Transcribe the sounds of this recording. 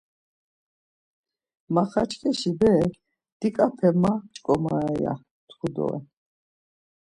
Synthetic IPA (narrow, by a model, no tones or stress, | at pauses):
maχat͡ʃʰkʰʼɛʃibɛ | d̪̥ikʼapʰɛmːat͡ʃʼkʼɔmaaɛja̰ | t̪ʰχud̪ɔ̰ɛ̰